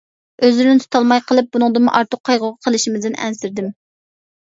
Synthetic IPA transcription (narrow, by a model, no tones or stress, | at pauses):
øzlɪɾnɪt̪ʰu̥t̪ʰɑlˠmɑjqʰəlˠɨp̚bunɨŋd̪ɨmʊ̰ʔɑɾt̪ʰʊqʰːɑjʁʊʁɑqʰəlˠɪʃimɪzd̪ɪnɛ̰nsɪɾd̪ɪm